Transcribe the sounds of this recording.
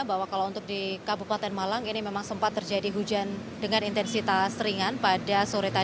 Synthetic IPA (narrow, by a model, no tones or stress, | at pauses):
baɦwakalaunt̪ʊk̚dikabupat̪ɛnmalaminimemaŋsəmpat̪ːərd͡ʒadiɦud͡ʒan | dəŋanint̪ɛnsit̪asɾiŋanpadasoɾet̪a